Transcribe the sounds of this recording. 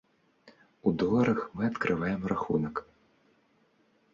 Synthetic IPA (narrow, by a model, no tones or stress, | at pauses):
ud̪ɔlˠɐɾɐxmɨɐt̪kɾʔɨvajɛmraxṵnɐk